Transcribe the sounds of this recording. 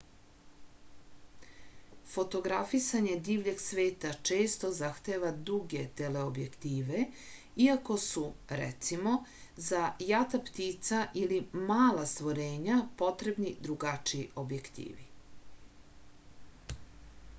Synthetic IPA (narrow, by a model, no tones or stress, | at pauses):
fo̞t̪o̞ɡɾafisaɲe̞d̪iːʋʎe̞ɡsʋeːt̪at͡ʃe̞ːst̪o̞zaxt̪eːʋad̪ɾuɡe̞t̪e̞le̞obje̞kt̪iːʋe | iako̞suɾɛ̰t̪simo̞zajat̪apt̪it̪saʔilimaːlast̪ʋoɾeːɲapo̞t̪ɾe̞bnid̪ɾuɡat͡ʃiiʔo̞bje̞kt̪ḭːʋi